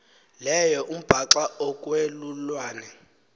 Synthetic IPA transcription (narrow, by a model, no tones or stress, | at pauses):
lɛjɔʔum̩b̥ʱaǁaɔkʼwelulwaːnɛ